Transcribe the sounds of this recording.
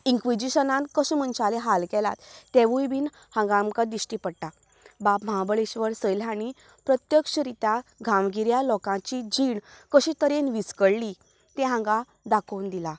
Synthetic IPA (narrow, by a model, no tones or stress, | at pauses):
iŋkʋid͡ʑiɕənãnkəɕimənt͡ɕaleɦalkɛla̰t̪t̪ːeʋujbiːn | hãŋɡamkad̪iɕʈipəɽʈa | bapməɦabəɭeɕʋəɾsəjlãɽi | pɾət̪jəkɕɾit̪aɡʱãmɡiɾjalɔkãt͡ɕid͡ʑiɳkəɕit̪əɾenʋiskəɽli | t̪ẽɦãŋɡa | d̪akʰownd̪ila